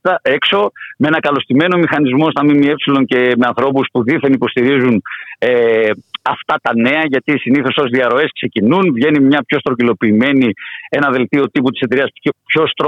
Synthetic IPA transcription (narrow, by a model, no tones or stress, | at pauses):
ɐekso̞mee̞nɐkɐlo̞st̪ime̞no̞mixɐnizmo̞st̪ɐmimie̞psilo̞ŋce̞me̞ɐnθɾo̞puspuðiθenipo̞st̪iɾizuneɐft̪ɐt̪ɐne̞ɐʝɐt̪isiniθo̞so̞zðiɐɾo̞e̞skse̞cinunvʝe̞nimɲɐpço̞st̪ɾocilo̞piːme̞nie̞nɐðe̞lt̪io̞t̪iput̪i̥seeɾiɐspçost̪